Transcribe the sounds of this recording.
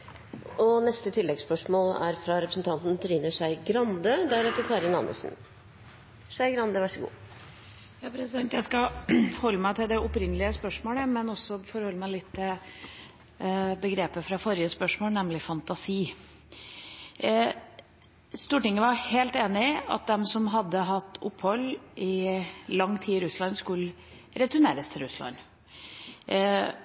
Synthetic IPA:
ɔnɛst̪ət̪ʰɪlːɛɡspœʂmoːlæ̰ɾfɾɑɾɛpɾəsn̩t̪ʰɑnt̪nt̪ʰɔɾiːnəʂæɪɡɾɑnd̪əd̪ɛæɾɛt̪əkʰɑːɾɪnɑ̰mʔə̰sn̩ | ʂæɪɡɾɑnd̪əʋæʂəɡṵː | jɑːpʰɾɛsɛt̪jæɪskɑhɔlːəmæɪt̪ʰɪld̪ɛʔʊpɾɪnːəlɪəspœʂmoːləmɛnɔsɔfɔɾhɔlːəmæɪlɪt̪ʰːɪl | bəɡɾeːpəfɾɑfɔɾɪəspœʂmoːlnɛmlɪfɑnt̪ɑsiː | st̪uːʈɪŋːəʋɑheːlt̪eːnɪɑ̰t̪̚d̪ɛmsɔmɦɑd̪ːəɦɑt̪ʰːʊpːhɔlːʔɪlɑŋːt̪ʰiːɾʉslɑnskʉl | ɾɛt̪ʉɳeːɾəst̪ʰɪlɾʉslɑ̰n

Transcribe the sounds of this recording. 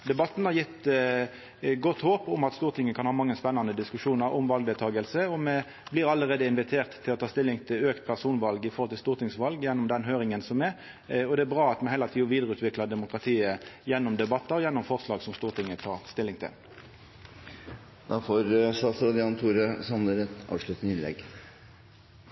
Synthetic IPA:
d̪ɛbɑt̪ːn̩hɑʁjɪt̪ː | ɡɔt̪ːhoːpʊmɑt̪st̪uːʁt̪ʰɪŋːəkʰɑnhɑːmɑŋːəspɛnːɑnəd̪ɪskʉʂuːnɑɾɔmʋɑlɡ̚d̪ɛːlt̪ʰɑːɡəlsəɔmɛ | blɪːɾɑləʁeːd̪əɪnʋɪt̪ʰeːʁt̪ʰːɪlɔt̪ʰɑːst̪ɪlːɪŋt̪ʰɪløːkt̪̚pʰæʁsuːnʋɑlɡɪfɔɾhɔlt̪ʰɪlst̪uːʁt̪ɪŋsʋɑlɡjɛnːʊmd̪ɛnɦøːɾɪŋənsɔmɛ | ɔd̪ɛæbʁɑːɑt̪mɛnhɛːlɑt̪ʰiːɔʋiːd̪əʁəʉːt̪ʋɪklɑd̪ɛmʊkʁɑt̪ʰiːəjɛnːɔmd̪ɛbɑt̪ːɑɾɔjɛnːɔmfɔʁslɑːɡsɔmst̪uːʁt̪ʰɪŋːət̪ʰɑːʁst̪ɪlːɪŋt̪ʰɪ̰l | d̪ɑfoɾsɑsɾɑd̪ɪɑːnt̪ʰuːɾəsɑmnəɾɛt̪ɑ̰ːʋʂɭʉt̪ənəɪnlɛ̰ɡ

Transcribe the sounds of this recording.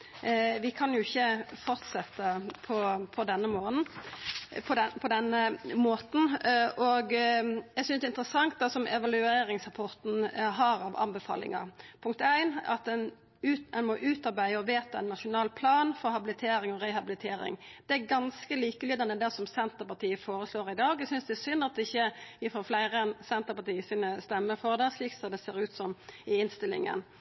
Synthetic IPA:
ʋɪkʰɑnjʊɪçːəfɔɾt̪sɛt̪ːəpʰɔpʰɔd̪ɛnːəmoːnn̩ | pʰɔd̪ɛpʰɔd̪ɛnːəmoːt̪n̩ʔɔɡjɛɡsʏnsd̪ɛɪnt̪ɾəsɑŋt̪̚d̪ɑsɔmɛʋɑlʉeːɾɪŋsɾɑpʰɔɾt̪n̩ɦɑɾɑʋɑ̰mbɛfɑ̰ːlɪ̰ŋɑ̰pʰʊŋk̚t̪æɪnɑ̰t̪̚d̪ɛn | ʉɛnmɔʔʉːt̪ɑɾbæɪəɔʋeːt̪ɑɛnːɑʂʊnɑːlpʰlɑːnfɔɾhɑbɪlɪt̪ʰeːɾɪŋɔɾɛhɑbɪlɪt̪ʰeːɾɪ̰ŋd̪̥ɛæɾɡɑnskəliːkəlyːd̪ɑnəd̪æsɔmsɛnt̪əʁpɑʁt̪ʰiːəfoːɾəsloːɾɪd̪ɑːɡɛsʏnsd̪ɛːsʏnːɑt̪̚d̪ɛɪçːəjɪfɔflæɪɾəɛnsɛnt̪əɾpɑt̪iːəsiːnəst̪ɛmːəfɔʁd̪ɛsliːksɔmd̪ɛseːɾʉːt̪sɔmɪɪnst̪ɪlɪ̰ŋə̰n

